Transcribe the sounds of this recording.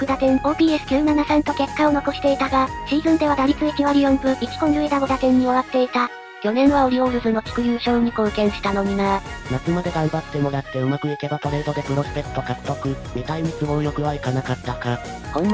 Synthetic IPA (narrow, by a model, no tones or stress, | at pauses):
kɯ̟d̪at̪ẽ̞ŋo̞ːbʲiːesɨ̥kʲɨːnanasãnt̪o̞ke̞kːao̞no̞ko̞ɕi̥t̪e̞it̪aɡaɕiːzɯ̟̃nd̪e̞β̞ad̪aɾʲit͡sɨikʲiβaɾʲijõ̞mbɯ̟ikʲi̥ko̞ɲɯ̟it̪aɡod̪at̪ẽ̞ɲ̟ːioβat̪ːe̞it̪a | kʲo̞nẽ̞ɰ̃βaoɾʲio̞ɾɯ̟zɨno̞ki̥kɯ̟jɯːɕo̞ːɯɲ̟ikɯːkẽ̞ɰ̃ɕi̥t̪ano̞ɲ̟inaɾanakɯ̟mad̪e̞ɡãmbat̪ːe̞mo̞ɾat̪ːe̞ɯ̟makɯ̟ike̞bat̪oɾe̞ːd̪o̞d̪e̞pɯ̟ɾo̞sɨ̥pe̞t̪ːokat͡sɯ̥t̪o̞kɯ̟ | mʲet̪aimʲit͡sɨo̞jokɯ̟βaikanakat̪ːaka | kõn